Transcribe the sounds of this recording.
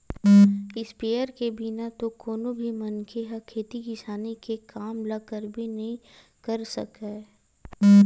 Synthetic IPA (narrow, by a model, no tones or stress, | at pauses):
ɪspeːəɾkebinat̪okoːnobʱimɐnkʰeɦəkʰeːt̪ikɪsaːnikekaːmlɐkəɾbʱinɐɦĩ | kɐɾsɐ̰kaː